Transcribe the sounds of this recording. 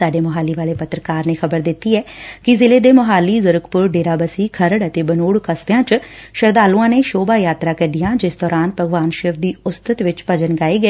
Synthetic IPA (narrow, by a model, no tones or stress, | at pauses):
saːɖeːməɦaːliːʋaːleːpət̪ɾəkaːɾneːxʰəbəɾd̪ɪt̪ːiːɛːkɪzɪleːd̪eːməɦaːliːzəɾəkʰpʊɾɖeːɾaːbəsiːkʰəɾəɽət̪eːbənuːɽkəsbjãːt͡ʃʃəɾd̪aːlũːãːneːʃoːbaːjaːt̪ɾaːkəɖɪjãːd͡ʒɪsd̪ɔːɾaːnpəɡʋaːnʃeːʋd̪iːʊst̪ət̪ʋɪt͡ʃpəd͡ʒənɡaːeːɡəː